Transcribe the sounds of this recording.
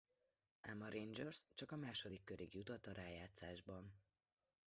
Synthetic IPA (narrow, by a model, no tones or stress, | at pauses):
amɒɾʔend͡ʒørst͡ʃɒkɒmaːʃod̪ikːøɾʔiɡjut̪ot̪ːɒɾaːjaːt̪saːʒbɒn